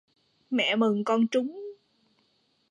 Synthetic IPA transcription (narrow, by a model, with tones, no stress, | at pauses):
mɛ̰˧˨mɨ˨˩ŋkɔ˧nt͡ɕʊ˨˦ŋ͡m